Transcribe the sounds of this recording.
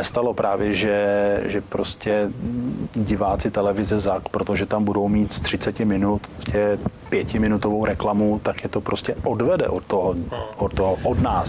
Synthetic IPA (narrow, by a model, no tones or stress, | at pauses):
nɛst̪alo̞pɾaːvjɛʒɛʒɛpɾoscɛ | ɟɪvaːt͡sɪt̪ɛlɛvɪzɛzakpɾot̪oʒɛt̪ambudo̞wmiːt̪st̪r̝̥ɪt͡sɛcɪmɪnut̪poscɛpjɛcɪmɪnut̪o̞vowɾɛklamut̪akjɛt̪o̞pɾʔoscɛʔodvɛdɛ̰ʔot̪t̪oɦoʔot̪t̪oɦoʔodnaːs